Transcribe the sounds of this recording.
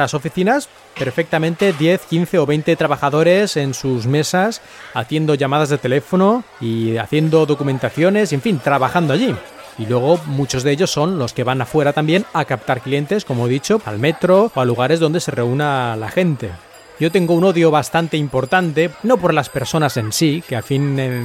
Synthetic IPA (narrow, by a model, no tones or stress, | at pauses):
aso̞fiθinas | pe̞ɾfe̞k̚t̪amẽnt̪e̞ðje̞θkinθe̞oβe̞jnt̪e̞t̪ɾaβaxaðo̞ɾe̞se̞nsuzme̞sas | aθje̞nd̪o̞ʝamað̞azðe̞t̪e̞le̞fo̞no̞ | ia̰θje̞nd̪o̞ðo̞kument̪aθjo̞ne̞sie̞ɱfint̪ɾaβaxand̪oaʎi | ilwe̞ɣ̞o̞mut͡ʃo̞zðeʎo̞sːo̞nlo̞ske̞βanafwe̞ɾat̪ambjenakap̚t̪aɾklije̞nt̪e̞sko̞moeðit͡ʃo̞pa̰lme̞t̪ɾooaluɣ̞aɾe̞zð̞ond̪e̞se̞re̞unalaxe̞nt̪e̞ | ɟ͡ʝo̞t̪e̞ŋɡouno̞ðjoβast̪ant̪e̞impo̞ɾt̪ant̪e̞no̞po̞ɾlaspe̞ɾso̞nase̞nsikeafine